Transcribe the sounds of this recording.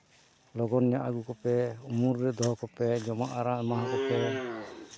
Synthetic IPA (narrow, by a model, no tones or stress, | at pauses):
lɔɡɔnjaʔaɡukɔpɛumuɾːɛd̪ɔɦɔkɔpɛd͡ʒɔmaʔaɾamaɦakɔpɛ